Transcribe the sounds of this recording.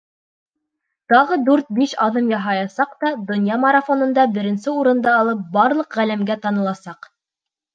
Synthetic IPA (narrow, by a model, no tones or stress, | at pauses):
t̪ɑʁɤd̪ʉɾt̪̚biʃɑðɤmjɑɦɑjɑsɑqt̪ɑd̪ŏnjɑmɐɾafonɤ̆nd̪ɑbɘ̆ɾɘ̆nsɘuɾɤ̆nd̪ɑːlˠɤp̚bɑɾlˠɤqʁælæmɡæt̪ɑnɤ̆lˠɑsɑq